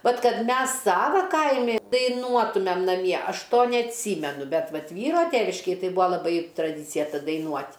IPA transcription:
ˈʋɐt ˈkɐt ˈmʲɛs ˈsɑːʋɐ ˈkɐɪmʲɪ dɐɪˈnuɔtʊmʲɛm nɐˈmʲiɛ ˈɐʃ ˈtoː nʲɛɐtʲˈsʲiːmʲɛnʊ ˈbʲɛt ˈʋɐt ˈʋʲiːroː ˈtʲæːʋʲɪʃʲkʲeːj ˈtɐɪ ˈbuːɐ lˠɐˈbɐɪ trɐˈdʲiːt͡sʲɪjɛ dɐɪˈnuɔtʲ

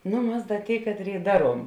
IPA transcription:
ˈnʊ ˈmɐs ˈdɐ ˈtʲeːɪ ˈkɑːtʲˌrʲeːɪ ˈdɑːˌruɔm

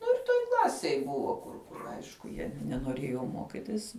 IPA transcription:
ˈnʊ ɪr ˈtoːj ˈklˠɑːsʲeːj ˈbʊʋoː kʊr kʊr ˈɐɪʃkʊ jiɛ nʲɛnoːˈrʲeːjoː ˈmoːkʲɪtʲɪs

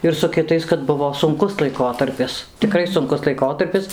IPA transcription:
ɪr sʊ kʲɪˈtɐɪs kɐt ˈbʊʋoː sʊŋˈkʊs lˠɐɪˈkoːtɐrʲpʲɪs tʲɪˈkrɐɪ sʊŋˈkʊs lˠɐɪˈkoːtɐrʲpʲɪs

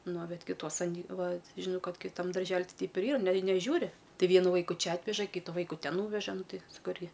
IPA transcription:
noː ˈbʲɛt kʲɪˈtuɔs ɐˈnʲiː ˈʋɐ ˈʒʲɪnɐʊ ˈkɐt kʲɪˈtɐm dɐrʲˈʒʲæːlʲɪ ˈtɐɪ ˈtʲɛɪp ɪr ˈiːrɐ nʲɛɪ nʲɛˈʒʲuːrʲɪ ˈtɐɪ ˈʋʲiɛnʊ ˈʋɐɪkʊ ˈt͡ʃʲɛ ˈɑːtʲʋʲɛʒɐ ˈkʲiːtʊ ˈʋɐɪkʊ ˈtʲɛn ˈnuːʋʲɛʒɐ ˈnʊ ˈtʲɪ sɐˈkɐʊ ˈɪrʲɡʲɪ

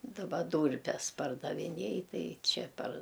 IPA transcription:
dɐˈbɐ ˈduːrʲpʲɛs pɐrdɐʋʲɪˈnʲeːj ˈtɐɪ ˈt͡ʃʲɛ pɐr

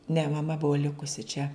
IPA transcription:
nʲɛ mɐˈmɐ ˈbʊʋoː ˈlʲɪkʊsʲɪ t͡ʃʲɛ

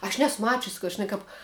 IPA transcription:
ɐʃ ˈnʲæːsʊ ˈmɑːt͡ʃʲʊs kɐ ʒʲɪˈnɐɪ kɐp

